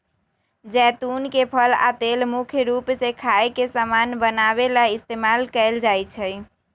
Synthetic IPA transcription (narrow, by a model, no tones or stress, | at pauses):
d͡ʒɛt̪unkepʰəla̰t̪elmukʰjɾupsekʰaekesamanbənaβelaist̪emalkɛɪld͡ʒajt͡ʃʰəj